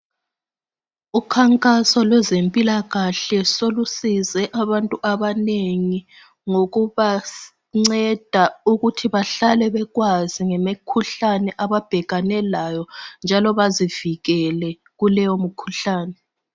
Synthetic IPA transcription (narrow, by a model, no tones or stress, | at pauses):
ukʰaŋkʼasɔlwɛzempʼilaɣaɬɛsolusizɛʔaβantʼuʔaβaneŋi | ŋoɣuβa | ŋ͡ǀɛd̥ʱauɣutʰiβaɬalɛβɛɣwaziŋɛmekʰuɬanɛʔaβab̥ʱɛɣanɛlaːjɔnd͡ʒʱalɔβaziv̥iɣɛlɛ | ɣulɛjomukʰuɬaːnɛ